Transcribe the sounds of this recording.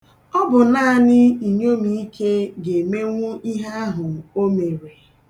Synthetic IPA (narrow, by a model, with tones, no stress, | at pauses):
ɔ˦bʊ˨naː˦˨nɪ˦i˨ɲo˦mi˨i˦kʰe˦ɡe˨me˦ŋʷʊ˦ʔi˦ɦa˦a˦ɦʊ˨o˦me˨ɾe˨